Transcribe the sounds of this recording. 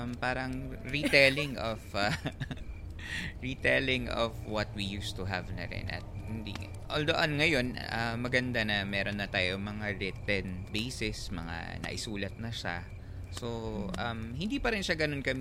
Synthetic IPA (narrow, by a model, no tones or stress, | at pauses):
mpaːɾɐŋɹit̪ɛlɪŋɔfa | ɹit̪ɛlɪŋɔ̰fwɐt̪̚wijuːst̪uɦɐvnɐ̰ɾɪ̰nʔɐ̰t̪̚hɪnd̪ḭ | ʔoːld̪oʔɐnŋɐjo̞nɐmɐɡɐnd̪anɐmɛːɾo̞nːɐt̪aːjomɐŋaɹɪt̪ɛnbejsɛsmɐŋa̰nɐ̰ʔɪsuːlɐt̪̚nɐʃa̰ | so̞ʔɐmhɪnd̪iːpɐɾɪnʃaɡɐno̞nkɐm